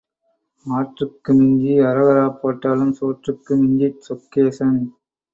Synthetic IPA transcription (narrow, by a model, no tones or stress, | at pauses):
aːʈrɯkːɯmɪɲd͡ʒiɐɾɐɣɐɾaːpːoːʈːaːlɯmsoːʈrɯkːɯmɪɲd͡ʒisɔkːeːsɐn